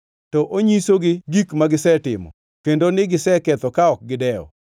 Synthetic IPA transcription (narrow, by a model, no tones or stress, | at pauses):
tɔʔoɲisoɡɪɡikmaɡɪsɛtɪ̰mɔ̰ | kendonɪɡɪsɛkɛt̪ɔkaɔk̚ɡɪdɛɔ̰